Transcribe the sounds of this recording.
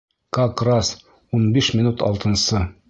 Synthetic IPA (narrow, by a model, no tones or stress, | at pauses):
kakras | unbiʃmʲɪnut̪ɒ̰lˠt̪ɤ̆nsɤ